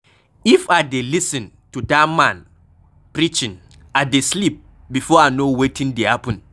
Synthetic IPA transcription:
ifadelisɛ̃n | tudamãn | pɾit͡ʃĩn | adeslip̚ | bifɔanowetʰĩŋdehapɛ̃n

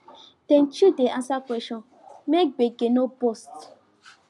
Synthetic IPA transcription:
d̥ɛ̃nt͡ʃudeʔãnsakʷwɛʃɔ̃n | mek̚ɡ͡beɡenobost

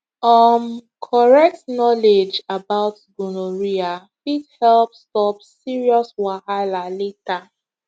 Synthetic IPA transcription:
ɔnkʰɔɹɛk̚tnɔled͡ʒabaʊtɡunoɹia | fithɛlpstɔpsiɹiɔswahalaleta

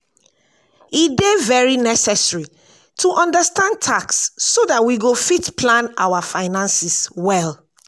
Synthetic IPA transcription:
idevɛɹinɛsɛsɹi | tʰuʔɔ̃ndəstãn̚tʰaksːoðatwiɡofitpʰlãnaʊwafaɪnãnsiswɛl

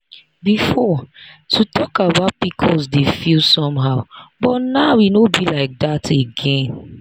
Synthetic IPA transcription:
bifɔtʰutʰɔkabaʊt̚pikʰɔsdefilsɔ̃mɦaʊbɔtnawinobilaɪk̚datʰeɡɛ̃n

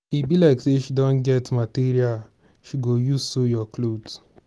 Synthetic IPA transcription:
ibilaɪkseʃidɔ̃nɡɛtmatiɾial | ʃiɡojusojɔklod

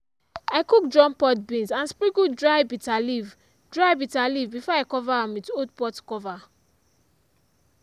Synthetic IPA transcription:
aɪkuk̚dɹɔ̃mpɔt̚bĩnzãnspɹiɡudɹajbitaliv | dɹajbitalivbifɔaɪkɔvaãmwitodpɔtkɔva

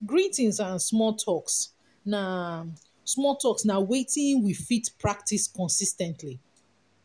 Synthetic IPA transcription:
ɡɹitĩnsãnsmɔtʰɔks | na | smɔtʰɔksnawetĩŋwifitpɹak̚tiskɔ̃nsistɛ̃ntʰli

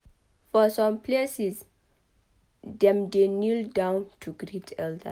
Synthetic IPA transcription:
fɔsɔ̃mpʰlesis | dɛ̃mdenildãw̃ntʰuɡɾitʰɛldə̰

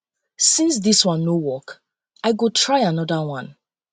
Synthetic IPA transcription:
sĩnsðiswʌ̃nːowɔk | aɪɡotʰɹaɪanɔdawʌ̃n

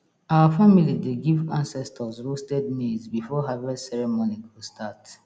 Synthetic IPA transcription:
awafamilideɡivãnsɛstʰəsɹostɛd̚mezbifɔɦavɛsɛɹɛmonikʰostʰat

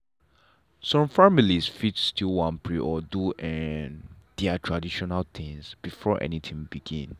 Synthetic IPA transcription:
sɔ̃mfamilisfit͡ʃstʰilwãnpʰɹiʔɔduʔɛnd̪̥ɛatʰɹadiʃɔnalt̪ʰĩŋsb̥ifɔʔɛ̰nit̪ʰĩŋbiɡḭ̃n

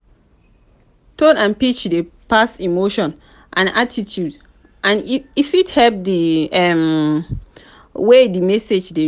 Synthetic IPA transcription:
tʰodãnpit͡ʃdepasimoʃɔ̃n | ʔã̰natʰitʰjud | ʔãnifithɛp̚diɛm | wedimɛsed͡ʒde

